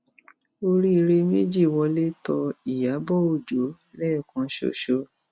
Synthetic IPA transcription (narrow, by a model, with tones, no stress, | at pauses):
o˦ɾi˦i˧ɾe˦me˦d͡ʒi˦˨wɔ˧le˦tɔ˧i˦˨ja˨˦bɔ˦o˦˨d͡ʒo˨˦ | lɛː˦˨kɔ̃˧˦ʃo̰˦ʃo˧